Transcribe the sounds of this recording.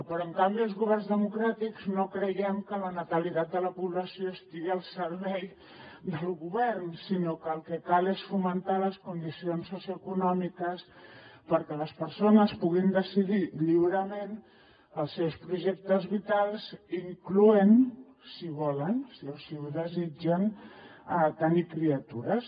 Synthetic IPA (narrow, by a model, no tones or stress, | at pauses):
pɾɔəŋkambiəlˠzɣuβɛrnzðəmukɾat̪ikznokɾəjɛmkələnət̪əlit̪at̪̚d̪ələpuβləsioəst̪iɣiəlˠsəɾβɛj | d̪əlˠɣuβɛɾnsinokəːlˠkəkalesfumənt̪aləskund̪isionsːusjuəkunɔmikəspəɾkələspəɾsonəspuɣind̪əsiðiʎiβɾəmen | əlˠsːewspɾuʒɛk̚t̪əzβit̪alˠziŋkluen | siβɔlənsiosiuðəzid͡ʒənət̪ənikɾiət̪uɾəs